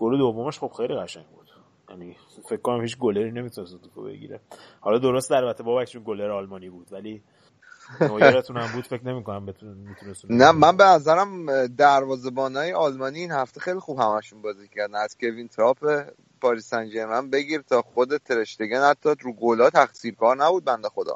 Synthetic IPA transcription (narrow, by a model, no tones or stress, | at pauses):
ɡ̥oled̪ovːomeʃχo̞b̥xe̞jliɣæʃæ̰ŋɟbuːd̪̥ | jæni | fe̞kʰːo̞næmhiːt͡ʃɡoleɾiːne̞mit̪ʰunest̪et̪u̥t̪ʰo̰bḛɟḭɾḛhɒlɒːd̪o̞ɾost̪ælbæt̪ʰebɒːbækt͡ʃunɡoleɾɒːlmɒːniːbuːd̪væliː | noːjɾet̪ʰunæmbuːd̪̥fe̞cne̞miko̞næmbet̪umiːt̪ʰunest̪unæmænbe̞næzæɾæmd̪æɾvɒːze̞bɒːnɒːjeʔɒlmɒːniːnhæft̪e̞xe̞jlixuːb̥hæmæʃunbɒːziːcʰæɾd̪æmæz̥cʰe̞vint̪ʰeɾɒːpʰe | pʰɒːɾiːsænd͡ʒeɾmænbe̞ɡiːɾt̪ʰɒːxo̞d̪e̞t̪ʰe̞ɾeʃt̪eɡænhæt̪ʰːɒɾuːɡolɒːt̪ʰæxsiːɾkʰɒːɾnæbuːd̪̚bænd̪exo̞d̪ɒ̰